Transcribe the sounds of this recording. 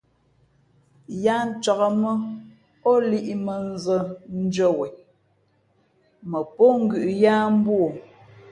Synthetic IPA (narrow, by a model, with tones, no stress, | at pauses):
ja˦n̩˦t͡ʃa˨ɣə˨mə˦ | ɔ˦li˦ʔi˨mə˨n˦zə˦n̩˦d͡ʒə˦wɛ˨ | mə˨po˦ŋ̩˦ɡʉ˨ʔjaː˦m̩˦bwo˨